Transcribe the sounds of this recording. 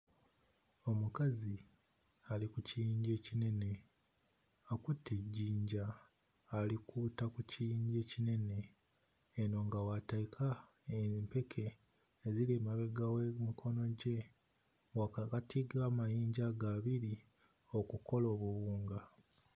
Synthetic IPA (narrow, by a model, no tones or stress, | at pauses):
o̞mukazi | alikucijiːɲɟe̞ːcine̞ne̞ | akutʰːeɟːiːɲɟaː | likʰuːtakucijiːɲɟe̞ːcine̞ne̞ː | no̞ːŋɡawataikʰa | empe̞kʰe̞ː | zileːmaβe̞ɡawemikʰo̞no̞ɟe̞ | waakatiɡaːmajiːɲɟaɡaβiɾi | o̞kuko̞lo̞ːβuβuːŋɡa